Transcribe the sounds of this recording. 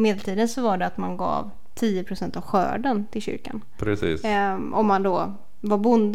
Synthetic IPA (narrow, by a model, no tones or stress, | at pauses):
meːd̪ɛlt̪ʰiːd̪ənsɔvaɖɛat̪manɡɑ̰ːv | t̪ʰiːəpʰɾʊsɛnt̪avɧœ̰ːɖənt̪ʰɪlɕʏ̰ɾka̰n | pɾɛsḭːsʔɔmːand̪ɔ | vaɾbʊnd̪